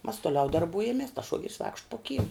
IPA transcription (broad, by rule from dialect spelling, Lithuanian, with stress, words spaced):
mɐs toːˈlʲɛʊ dɐrˈbʊjɛmʲiɛs tɐs ˈʃuɔɡʲɛrʲɪs ʋɐɪkʃt poː kʲiːm